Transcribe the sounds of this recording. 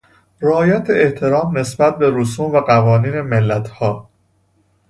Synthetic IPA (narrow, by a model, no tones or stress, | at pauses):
ɾæɒːjæt̪ʰeeht̪ʰe̞ɾɒːmne̞sbæt̪̚be̞ɾosuːmvæɢævɒːniːne̞melːæt̪ʰhɒː